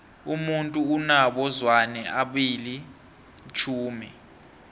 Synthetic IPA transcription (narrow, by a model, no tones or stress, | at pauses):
umuntʼuːnaɓɔzwanɛaɓili | t͡ʃʰuːmɛ